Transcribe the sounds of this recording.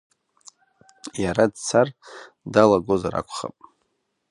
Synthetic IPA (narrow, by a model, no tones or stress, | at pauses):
jaɾadt͡sʰar | dalaɡo̞zaɾa̰kʷʰχa̰pʼ